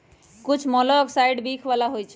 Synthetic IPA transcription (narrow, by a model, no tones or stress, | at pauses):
kut͡ʃʰmɔlɔksajɖbikʰbalaɦojt͡ʃʰ